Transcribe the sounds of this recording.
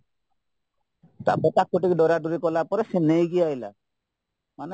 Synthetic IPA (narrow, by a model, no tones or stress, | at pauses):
t̪a̰bɔtak̚kːoʈikidɔɾaɖuɾikɔlapɔɾesenejɡiajla̰ | mane